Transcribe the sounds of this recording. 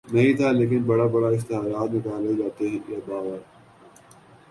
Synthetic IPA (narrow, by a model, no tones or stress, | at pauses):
nɐɦĩt̪ʰaleːk̬ɪnbɐɽabɐɽaɪst̪ɪɦaːɾaːt̪nɪkaːled͡ʒaːt̪eɦɛ̃jebaːʋəɾ